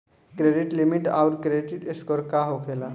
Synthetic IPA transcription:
kɾeɖiʈlimiʈa̰wɾkɾeʈɪʈeskɔɾkaɦokʰela

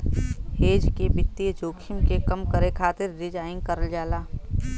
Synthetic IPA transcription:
heːd͡ʒkebɪt̪ːid͡ʒoːkʰɪmkekɐmkəɾekʰaːt̪ɪɾɾɪd͡ʒaːɪ̃ŋkəɾəld͡ʒaːlaː

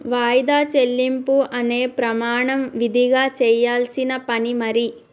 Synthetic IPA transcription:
ʋaːjd̪aːt͡ʃe̞lːimpuʔɐne̞ːpɾɐmaːɳɐmʋid̪ʱiɡaːt͡ʃɛːjaːlsinɐpɐnimɐɾi

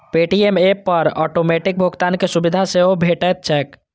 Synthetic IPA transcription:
peʈiemepəɾɔʈomeʈik̚bʱuɡt̪ankesubid̪ʱaseɦobʱeʈət̪̚t͡ʃʰɛːk

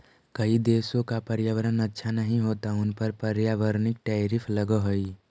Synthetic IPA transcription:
kɐid̪eːsõkapɐɾjaːʋəɾənətːʃʰanəɦĩɦoːt̪aʊnpəɾpəɾjaːʋəɾnɪk̚ʈɛːɾɪpʰləɡəɦoi

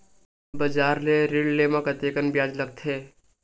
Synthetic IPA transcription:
bɐd͡ʒaːɾleɾiɽlemãkɐt̪eːkənbjaːd͡ʒləɡ̚t̪ʰeː

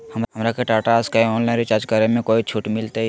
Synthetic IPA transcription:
həmɦəmɾakeʈaːʈaskaiɔːnlaːɪ̃nɾit͡ʃaːɾd͡ʒkaɾemẽkoːit͡ʃʰuʈmɪlt̪e

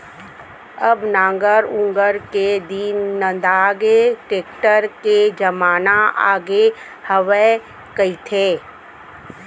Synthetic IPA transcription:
əbnãːŋɡəɾʊ̃ŋɡəɾked̪iːnːə̃nd̪aːɡeʈeːkʈəɾked͡ʒɐmaːnaa̰ːɡe | həʋe | kəit̪ʰeː

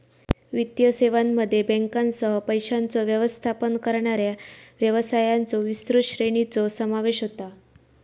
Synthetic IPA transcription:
ʋit̪jəseʋamːəd̪ʱːjebɛ̃ŋkansəɦəpəjɕant͡soʋjəʋəst̪ʰapənkəɾɳaɾjaʋjəʋəsajant͡soʋist̪ɾuɕɾeɳit͡sosəmaʋeɕɦot̪a

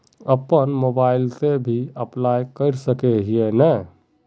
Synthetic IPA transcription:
əpənmobailt̪ebʱiəplajkəɪɾsəkeɦienɛ

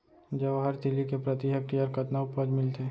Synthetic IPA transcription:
d͡ʒəʋaɦəɾt̪ɪlikepɾət̪iɦək̚ɾiəɾkət̪naʊpəd͡ʒmɪlt̪ʰe

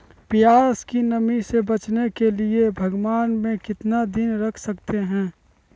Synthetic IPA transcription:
pijaːɾskinəmisebɐt͡ʃnekeliebʱɐɡwaːnmẽkɪt̪nad̪ɪnɾɐkʰsɐkt̪eɦɛ̃ː

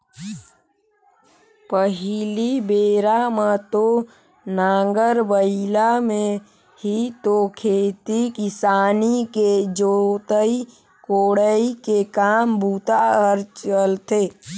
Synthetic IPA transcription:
pəɦilibeːɾamət̪o | naːŋɡəɾbəɪlamẽ | hit̪okʰeːt̪ikɪsaːniked͡ʒot̪əi | koːɽəikekaːmbuːt̪aəɾt͡ʃəlt̪eː

